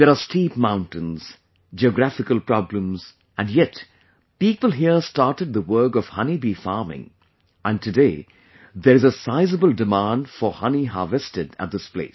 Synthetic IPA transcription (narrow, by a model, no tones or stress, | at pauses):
ðɛɾastiːpmãʊ̃ntɨ̃nz̥ | d͡ʒiɔɡɾæfɪkəlˠpɹɑblə̃mz | æ̃nɖjɛt | piːpəlˠɦiəstaɹtɨd̪̚ðəwɜ˞kɔv̥hʌnibifɑ̰ːmɪ̰̃ŋ | ʔæ̃ntʰɨdeɪ | ðɛɾɨzəsaɪzəbəldɪmãndfəhʌniɦɑ̰ːvɛstɨdæ̰t̚d̪ɪsplḛɪs